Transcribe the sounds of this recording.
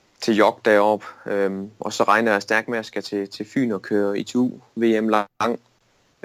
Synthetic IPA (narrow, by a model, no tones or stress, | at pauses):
t͡sʰe̝jɒɡ̥̚d̥ɛɒb̥ | ʔɒ̽sɒ̽ʁɑ̈ɪnɐæsd̥æɐɡ̥mæsɡ̥ɐt͡sʰe̝t͡sʰe̝fy̰ːnɒ̽kʰøːɐit͡sʰṵːʋe̝ːemlɑŋ̰